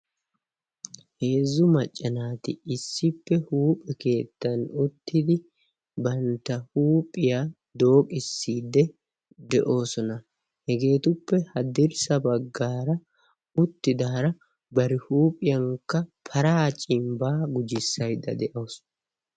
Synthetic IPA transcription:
he̞ːzːʊmɐt͡ʃʼːɐnaːt̪ɪɪsːɪpːɛhuːpʼːɛke̞ːt̪ːɐnʊt̪ːɪd̪ɪ | bɐnt̪ːɐhuːpʼɪja | d̪o̞ːkʼɪsːiːd̪ɛ | d̪ɛʔo̞ːsɔnɐ | hɛɡe̞ːt̪ʊpːɛhɐd̪ɪɾsɐbɐɡːaːɾɐ | ʊt̪ːɪd̪aːɾɐ | bɐɾɪhuːpʼɪjɐŋkːɐpʰɐɾaːt͡ʃʼɪmbaːɡʊd͡ʒɪsːɐjd̪ɐ̰d̪ɛʔo̞ːs

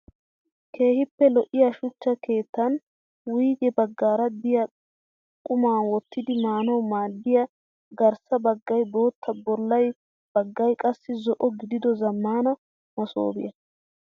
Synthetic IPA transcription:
kʰe̞ːhɪpːɛlɔʔɪjɐʃʊt͡ʃːɐke̞ːt̪ːɐn | wiːɡɛbɐɡːaːɾɐd̪ɪjɐ | kʼʊmaːnwɔt̪ːɪd̪ɪmaːnɐwmaːd̪ːɪjɐ | ɡɐɾsɐbɐɡːɐjboːt̪ʰːɐbɔlːɐj | b̥ɐɡːɐjkʼɐsːɪzɔʔɔɡɪd̪ɪd̪ɔzɐmːaːnɐ | mɔso̰ːbɪjɐ

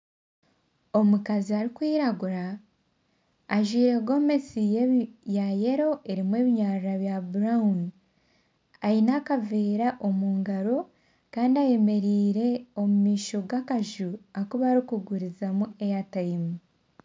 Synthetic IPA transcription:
o̞mukaziaɾikwiːɾaɡuɾa | ʒwiːɾe̞ɡo̞mesijeβjaje̞ɾo̞ʔe̞ɾimwe̞ːβiɲaːɾɾaβjabuɾaun | ajinakaveːɾaʔo̞muːŋɡaɾo̞ | kaːndiaje̞me̞ɾiːɾe̞o̞mumiːʃo̞ɡakaʒuakuβaːɾikuɡuɾizamue̞jatajimu

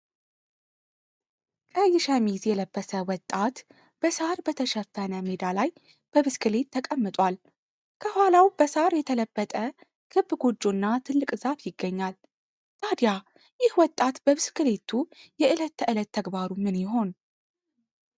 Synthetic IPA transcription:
kʼəjːɪʃamizjɛləbːəsəwɔt̪ʼat̪ | b̥əsaɾbət̪ʰəʃəfːənəmed̪alaj | b̥əβɨskɨle̞t̪ʰːəkʼəmːɨt̪ʼwal | kʰəhʷalawb̥əsaɾjɛt̪ʰələbːət̪ʼə | kʰɨbɡo̞d͡ʒːonːat̪ʰɨlːɨkʼɨzafjɪɡːəɲːal | t̪ʰad̪ja | jɪhwɔt̪ʼat̪bəβɨskɨle̞t̪ʰujɛʔɨlət̪ʰːəʔɨlət̪ʰːəɡbaɾumɨnjɪɦo̞n

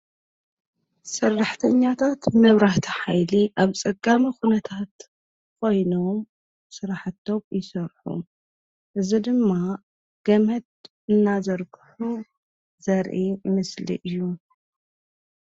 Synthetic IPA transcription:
sɨrːaħt̪ʰɐɲːat̪ʰat̪mɨβɾaht̪ʰi̥ħajliʔaβt͡sʼɐɡamixunɐt̪ʰat̪ | kʰo̞jnom | sɨɾaħɨt̪ʰːo̞mjɪsɐɾħṵ | ʔɨzid̪ɨmːa | ɡ̥ɐmɐt̪̚ | ɨnːazɐɾɡɨħu | zɐɾʔimɨslḭʔɨjːu

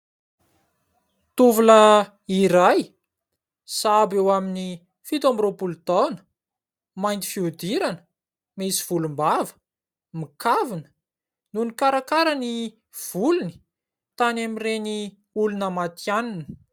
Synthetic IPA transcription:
t̪uvulə | iɾaj | sabewamini | fit̪ambiropult̪anə̥ | majnt̪i̥fiud̪iɾanə̥ | mesiv̥ulumbavə̥ | mikavinə̥ | nunikaɾakaɾəni | v̥uluni̥ | t̪anamireni | ulunamat̪janinə̥

